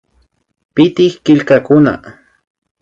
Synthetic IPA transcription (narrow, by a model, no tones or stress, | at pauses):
pɪt̪ɪhkɪʎkakʊna̰